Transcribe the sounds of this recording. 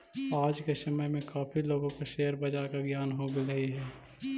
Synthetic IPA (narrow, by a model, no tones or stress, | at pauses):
aːd͡ʒkesəməjmẽkaːpʰiloːɡõkeʃeːəɾbəd͡ʒaːɾkaɡjaːnɦoɡeləiɦɛː